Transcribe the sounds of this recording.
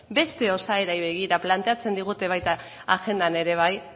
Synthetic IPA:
be̞st̪e̞o̞saeɾajβe̞ɣ̞iɾaplant̪e̞at͡se̞nd̪iɣ̞ut̪e̞β̞ajt̪a | axe̞nd̪ane̞ɾe̞β̞aj

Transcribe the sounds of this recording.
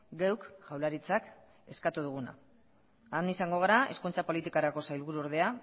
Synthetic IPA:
ɡewkʝawlaɾit͡sak | e̞skat̪uð̞uɣ̞una̰ | anisaŋɡo̞ɣ̞aɾaʔe̞skunt͡sapo̞lit̪ikaɾako̞sajlβuɾuo̞ɾð̞e̞a

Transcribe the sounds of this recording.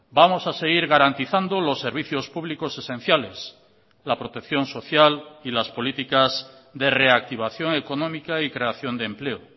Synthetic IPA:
bamo̞sase̞ɣ̞iɾɣaɾant̪iθand̪olo̞sːe̞ɾβ̞iθjo̞spuβliko̞se̞sẽ̞n̟θjales | lapɾo̞t̪e̞kθjo̞nso̞θjalilaspo̞lit̪ikazðere̞ak̚t̪iβ̞aθjo̞ŋe̞ko̞nõmikaikɾe̞aθjo̞nd̪emple̞o

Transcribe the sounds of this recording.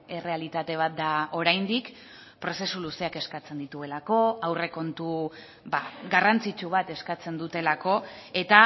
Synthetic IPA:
e̞re̞alit̪at̪e̞β̞at̪̚d̪ao̞ɾajnd̪ik | pɾo̞se̞suluse̞ake̞skat͡se̞nd̪it̪ue̞lako̞awre̞ko̞nt̪u | baɡarant͡sit͡ʃuβ̞at̪e̞skat͡se̞nd̪ut̪e̞lako̞e̞t̪a

